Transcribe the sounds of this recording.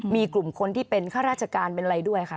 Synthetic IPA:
miː˧klu˨˩mkʰo˧nt̪ʰiː˥˩pe˧nkʰaː˥˩ɾaː˥˩t͡ɕʰa˧kaː˧npe˧na˧ɾa˧jdu˥˩əjkʰa˦˥˩

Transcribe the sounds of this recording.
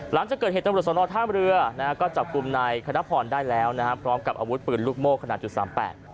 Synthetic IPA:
la˩˦ŋt͡ɕa˨˩kːɤː˨˩eː˨˩t̪a˧mɾu˨˩t̪sɔː˨˦ɾɔː˧t̪ʰaː˥˩mɾɯ˧əna˦ka˦˥kɔː˥˩t͡ɕa˨˩p̚ku˧mna˧jkʰa˧na˦˥pʰɔː˨˩ndaː˥˩jlɛː˦˥wna˦˥kʰa˦˥pʰɾɔː˦˥mka˨˩p̚ʔaː˧wu˦˥t̪̚pɯː˨˩nluː˥˩k̚moː˥˩kʰːa˧na˨˩t̪̚t͡ɕu˨˩t̪saː˩˦mpɛ̰ː˨˩t̪

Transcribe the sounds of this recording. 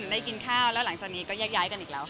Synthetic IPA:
da˥˩jki˧nkʰaː˥˩wlɛː˨˦˥wla˩˦ŋt͡ɕaː˨˩k̚niː˦˥kɔː˥˩jaː˥˩k̚jaː˦˥jka˧nʔi˨˩la˧w

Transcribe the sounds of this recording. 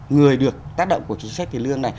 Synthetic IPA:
ŋɨ˨˩əjɗɨ˨˩ək̚t̪aː˦˥k̚ɗə̰˧˨ŋ͡mku˧˩ət͡ɕï˧˦ŋ̟sa˦˥k̚t̪i˨˩lɨ˧əŋna˨˩j

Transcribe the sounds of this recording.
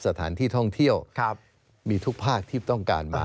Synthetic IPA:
sa˧t̪ʰa̰ː˩˦nt̪ʰiː˥˩t̪ʰɔ˥˩ŋt̪ʰi˥˩əw̚ | miː˧t̪ʰu˦˥k̚pʰaː˥˩k̚t̪ʰiː˥˩t̪ɔ˥˩ŋka̰ː˧nmaː˧

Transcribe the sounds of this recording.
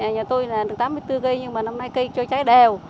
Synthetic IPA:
a˨˩ɲaː˨˩t̪o˧jnaː˨˩ɗɨ˨˩t̪aː˨˦mːɨ˧əjt̪ɨ˧ɣi˧ɲɨ˧ŋmaː˨˩na˧mna˧jki˧t͡ɕɔ˧t͡ɕaː˨˦jɗɛ˨˩w

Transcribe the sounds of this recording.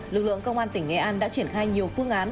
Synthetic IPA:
lɨ˨˩k̚lɨ̰˧˨əŋkə˧wŋ͡mʔaː˧nt̪ï˧˩ŋ̟ːɛ˧˩ʔaː˧nɗa̰ː˧˥t͡ɕi˧˩ənxaː˧jɲi˨˩əwfɨ˧əŋʔaː˨˦n

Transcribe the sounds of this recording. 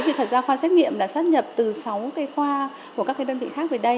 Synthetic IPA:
jvḭ˨˧˨t̪ʰaː˨˩zaː˧xwaː˧sɛ˦˥t̚ŋḭ˧˨əmlaː˨˩saː˦˥t̚ɲə˨˩p̚t̪ɨ˨˩sa˨˦wkaː˨˦jxwaː˧ | ku˧˩kaː˦˥kːaː˨˦ɗə˧nvḭ˧˨xaː˦˥k̚və˨˩ɗə˧j

